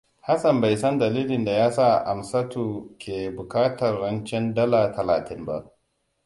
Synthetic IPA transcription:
ha˦sɐ˨mba˨jsɐ˦ndɐ˨liː˦lɪ˨nda˨jaː˦saː˦ʔa˨msɐ˦tu˨kʲeː˨bʊ˨kaː˦tɐ˨rːɐ˦nt͡ʃɛ˦ndɐ˦la˨tʰɐ˨laː˨tɪ˦mba̰˦ʔ

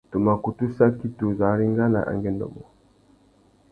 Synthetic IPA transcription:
tu˨ma˨ku˨tu˦sa˦ki˦tu˨za˨˦ɾi˦ŋɡa˦la̰˨ʔa̰˨ŋɡɛ˦ndɔ̰˨mɔ˨

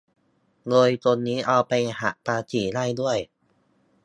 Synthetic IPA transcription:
loː˧jt̪o˧nːiː˦˥ʔa˧wpa˧jha˨˩ʔpaː˧t͡ɕiː˩˦la˥˩jdu˥˩əj

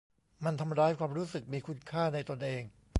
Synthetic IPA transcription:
ma˧nt̪ʰa˧mɾaː˦˥jkʰwaː˧mɾuː˦˥sɯ˨˩k̚miː˧kʰu˦˥nkʰaː˥˩na˧jt̪o˧nʔeː˧ŋ

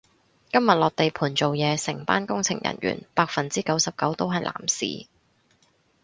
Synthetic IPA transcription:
kɐ˥mjɐ˨t̚lɔː˨k̚t̪e˨jpʰuː˨˩nt͡so˨wjɛː˨˧sɪ˨˩ŋp̪a̰ː˥nkʊ˥ŋt͡sʰɪ̰˨˩ŋjɐ̰˨˩nɥy̰ː˨˩npaː˧k̚fɐ˨nt͡siː˥kɐ˨˥wsɐ˨p̚kɐ˨˥wt̪o˥wɦɐ˨jlʔa̰ː˨˩msḭː˨˩

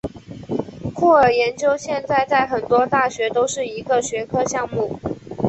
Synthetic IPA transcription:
kʰu˥˩ə˞˨˩jɛ˧˥nt͡ɕjo˥ʊɕjɛ˥˧nt͡sa˥˧ɪt͡sa˥˩ɪxə˨˩nt̪wɔ˥t̪a˥˩ɕɥɛ˧˥t̪o˥ʊʂɻ̩˥˩i˧˥ɡə˧ɕɥɛ˧˥kʰɤ˥ɕjɑ˥˧ŋmu˥˩

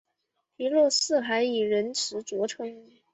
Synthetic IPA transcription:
pi˧˥lwɔ˥˧sɹ̩˥˩xa˧˥ɪi˨˩ɻə˧˥nʈ͡ʂʰɻ̩˧˥t͡swɔ˧˥ʈ͡ʂʰɤ˧˥ŋ

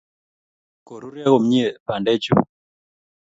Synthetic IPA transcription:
ko˨ɾu˦ɾja˦ɣo˨m̩˦ɲi˦ɛ˨pa˨ndɛ˦t͡ʃṵ˨

